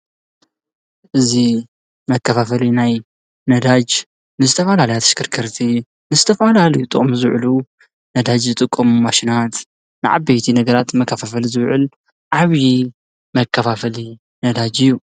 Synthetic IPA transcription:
ʔɨzi | mɐkʰːɐfafɐlinaj | nɐd̪ad͡ʒ | nɨzɨt̪ʰɐfɐlalɐjat̪ʰɐ̥ʃkʰɨɾkʰɐɾt̪ʰi | nɨzɨt̪ʰɐfalalɐjut̪ʼɨχʼmuzɨβʕlu | nɐd̪ad͡ʒzɨt̪ʼɨkʼːɐmumaʃinat̪ | nɨʕa̰bejt̪ʰinɐɡɐɾat̪mɐkʰːafafɐlizɨβʕɨl | ʕaβji | mɐkʰːɐfafɐli | nɐd̪ad͡ʒɨjːu

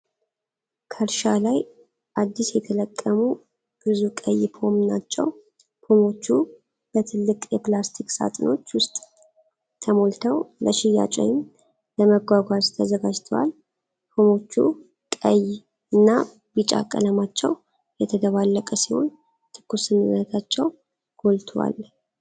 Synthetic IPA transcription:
kʰəɾʃalaj | ʔad̪ːisjɛt̪ʰələkʼːəmu | b̥ɨzukʼəjːpʰo̞mnat͡ʃːɛ̰w | pʰo̞mo̞t͡ʃːu | b̥ət̪ʰɨlːɨkʼjɛplast̪ʰikʼsa̰t̪ʼɨno̞t͡ʃːwʊst̪ʼ | t̪ʰəmo̞lt̪ʰəwləʃɪjːa̰t͡ʃʼɛ̰jɪm | ləməɡʷaɡʷazt̪ʰəzəɡad͡ʒt̪ʰəwa̰l | pʰo̞mo̞t͡ʃːu | kʼəj | ɨnːa | bit͡ʃʼa̰kʼə̰ləmat͡ʃːɛw | jɛt̪ʰəd̪əβalːəkʼəsiho̞̰n | t̪ʰɨ̥kʰːusɨnɨnːət̪ʰat͡ʃːɛw | ɡ̥o̞lt̪ʰəwa̰l

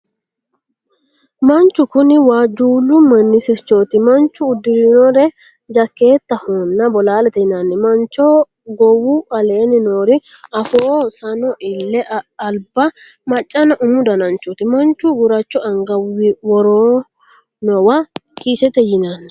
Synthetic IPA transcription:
mɐnt͡ʃːʊkʊnɪwaːd͡ʒuːlːʊmɐnːɪsɪt͡ʃːo̞ːt̪ɪmɐnt͡ʃːʊːd̪ːɪɾinɔɾɛ | d͡ʒɐkːe̞ːt̪ːɐhonːɐbɔlaːlɛt̪ɛjɪnanːɛmɐnt͡ʃːoː | ɡɔwʊʔɐleːnɪnoːɾɪɐfoːsɐnɔʔɪlːɛɐlbɐ | mɐt͡ʃʼːɐnɐʔʊmʊd̪ɐnɐnt͡ʃoːt̪ɪmɐnt͡ʃːʊɡʊɾɐt͡ʃːɔɐŋɡɐwɪwɔɾoː | nɔwɐkiːsɛt̪ɛjɪnanːɛ̥

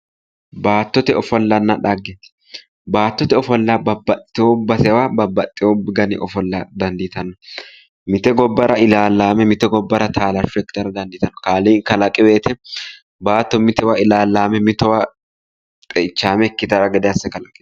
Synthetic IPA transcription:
baːt̪ːɔt̪ɛɔfɔlːɐnːɐᶑaɡɛ̥ | baːt̪ːɔt̪ɛɔfɔlːabɐbːɐt̪ʼːɪobːɐsɛwabɐbːɐt̪ʼːɪobɪɡɐnɪʔɔfɔlːɐd̪ɐnd̪ɪt̪ɐnːɔ | mɪt̪ɛɡɔbːɐɾɐɪlaːlːaːmɛmɪt̪ɛɡɔbːɐɾɐt̪ʰaːlɐɾfɛkːɪ̥t̪ɐɾɐd̪ɐnd̪ɪt̪ɐnːɔ̥kaːliːŋkɐlɐkʼɛbeːt̪ɛ | baːt̪ːɔmɪt̪ɛwaɪlaːlːaːmɛmɪt̪ɛwa | tʼɛt͡ʃːaːmɛkːɪt̪ɐɾɐɡɛd̪ɛɐsːɛkɐlɐkʼːɛ̥

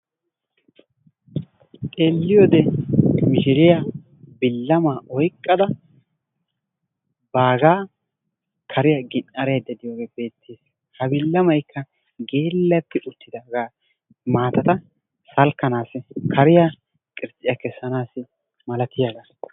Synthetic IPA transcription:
tʼe̞ːlːɪjoːd̪ɛmɪʃɪɾɪja | bɪlːɐmaːʔɔjkʼːɐd̪ɐ | baːɡaː | kʰɐɾɪjaɡɪnʔɐɾejd̪ɛd̪ɪjoːɡeːbe̞ːt̪ʰːeːs | hɐbɪlːɐmɐjkʰːɐ | ɡeːlːɐt̪ːɪʔʊt̪ːɪd̪aːɡaː | maːt̪ɐt̪ɐ | sɐlkːɐnaːsɪkʰɐɾɪja | kʼɪɾt͡sʼɪjakɛsːɐnaːsɪ | mɐlɐt̪ɪjaɡaː

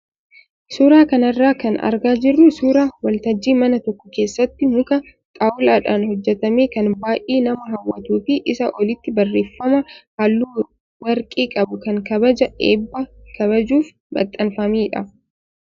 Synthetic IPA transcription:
suːɾaːkɐnɐrːaːkɐnɐ̰ɾɡaːd͡ʒɪrːʊsuːɾaːwɐlt̪ɐd͡ʒːiːmɐnɐt̪ɔkːɔke̞ːsːɐt̪ːɪmʊkɐ | t̪ʼawʊlaːᶑaːnhɔd͡ʒːɛt̪ɐmeːkɐnbaːjʔeːnɐmɐɦɐwːɐt̪uːfɪʔɪsɐʔɔlɪt̪ːɪbɐrːeːfːɐmɐhɐlːuː | wɐɾkʼiːkʼɐbʊkɐŋkɐbɐd͡ʒɐʔḛːbːɐkʰɐβɐd͡ʒuːf | bɐ̰t̪ʼːɐnfɐmiːᶑɐ̰

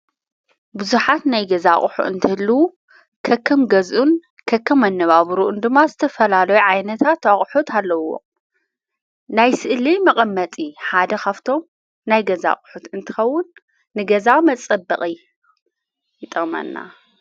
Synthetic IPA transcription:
bɨzuħat̪najɡɐzaχʼħṵʔɨnt̪ʰɨhɨlːuwu | kʰɐkʰːɐmɡɐzʔun | kʰɐkʰːɐmɐnːɐβaβɾuʔund̪ɨmːazɨt̪ʰɐfɐlalɐjuʕajnɐt̪ʰat̪aχʼħut̪ʰalːɐwo̞̰ | najsɨʔlimɐqʼɐmːɐt̪ʼiħad̪ɐkaβt̪ʰo̞m | najɡɐza̰χʼħut̪ɨnt̪ʰɨ̥xɐwːʊnː | ɨɡɐzamɐt͡sʼɐbːɐχʼi | jɪt̪ʼɐmɐ̰nːa̰

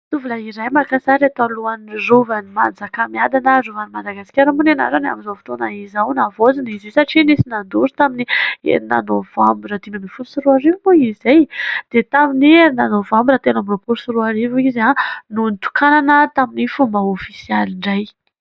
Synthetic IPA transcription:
t̪uvulaiɾajmakasaɾat̪aluanrovanimand͡zakəmiad̪anərovanimad̪aɡasi̥kʲaɾəmbunena̰ɾana̰mizofi̥t̪onaizawnavozinizesaʈ͡ʂinisinand̪uɾu̥t̪aminiḛna̰novambiɾad̪inəmifulsiɾuaɾivmuizejd̪̥et̪amininanovambiɾat̪enamropuɾsuɾuaɾivuizanunt̪u̥kananət̪aminifumbaofisialiɳɖ͡ʐaj

